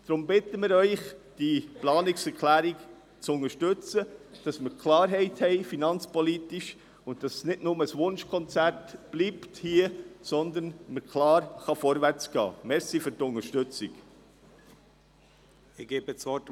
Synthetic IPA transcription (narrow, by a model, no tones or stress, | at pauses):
d̥ɾʊmbɪtəmɪːɾœʏχd̥iplɑːnɪksɛɾkʰlæːɾik | t͡sʊnəɾʃtʏt͡səd̥ɑsməɾkʰlɑːɾɦɛɪthɛɪfinɑnt͡spɔlitiʃ | ʊnt̚d̥ɑssnɪdnʊməsʋʊnʃkʰɔnt͡sæɾtb̥liːpthiːəsɔnd̪ənməɾkʰlɑːɾχɑfɔɾvæɾt͡sɡ̥ɑ̰ːmɛɾsifʏɾtʊnəʃtʏt͡sɪk | ɪɡ̥eːbət͡svɔt